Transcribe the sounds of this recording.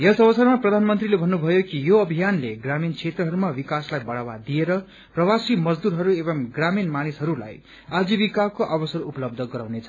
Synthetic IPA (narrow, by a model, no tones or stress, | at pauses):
jʌsʌbʌsʌrmaprʌd̪ʱanmʌnt̪rilebʱʌnːubʱʌjokijoʌbʱijanleɡraminkʰet̪rʌɦʌɾumawikaslajbʌɽ̤awad̪ijeɾʌ | prʌwasimʌd͡zd̪uɾɦʌɾuebʌmɡraminmanisɦʌɾula̰j | ad͡zibikakoʔabʌsʌrupʌlʌb̚d̪ʱʌɡʌɾawnet͡sʰʌ